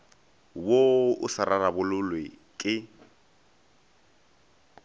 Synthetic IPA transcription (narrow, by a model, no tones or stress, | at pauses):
woʊsaɾanabʊlʊlwekʼɪ